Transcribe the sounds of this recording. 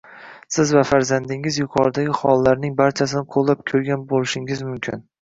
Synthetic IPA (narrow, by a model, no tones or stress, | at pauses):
sɪzvafaɾzand̪ɪŋɪzjʊqʰɒɾd̪aɡʲɪχɒ̰lˠːaɾnɪŋbaɾt͡ʃʰas̬ɪnɪqʰolˠːap̚kʲʰɵɾɡʲanbolɪʃɪŋɪzmʊmkʲʰɪ̰n